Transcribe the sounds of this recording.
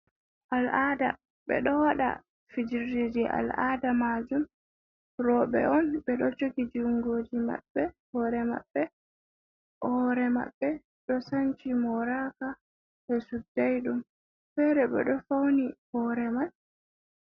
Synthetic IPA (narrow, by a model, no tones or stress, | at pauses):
ʔalada̰ | ɓɛ̰ɗɔwaɗa̰ | fid͡ʒiɾdid͡ʒiʔa̰lʔadamad͡ʒum | ɾɔɓɛ̰ɔnɓɛɗɔt͡ʃokid͡ʒiuŋɡoːd͡ʒima̰ɓːɛ | hɔɾɛma̰ɓːɛ | ʔɔɾɛma̰ɓːɛ | ɗɔsaɲt͡ʃimɔɾaka | hɛsudːajɗum | fɛɾɛɓɛ̰ɗɔfawnihɔɾɛmal